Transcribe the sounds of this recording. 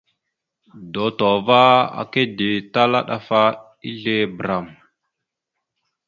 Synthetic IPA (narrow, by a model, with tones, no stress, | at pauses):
do˨to˨va˦a̰˨ke˦di˨ta˦la̰˦ɗa˨fa˦ | i˦ɮe˦bɾa˨m